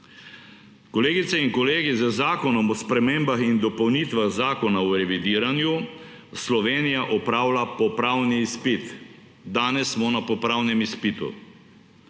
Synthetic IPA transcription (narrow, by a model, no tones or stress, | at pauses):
kɔleːɡit̪sɛinkɔleːɡizəzaːkɔnɔmɔspɾɛmeːmbaxind̪ɔpɔwniːt̪ʋaɣzaːkɔnaɔɾɛʋid̪iːɾanju | slɔʋeːnijaʔɔpɾaːwlapɔpɾaːwniːspit̪ | d̪aːnɛsːmɔnapɔpɾaːwnɛmispit̪ṵ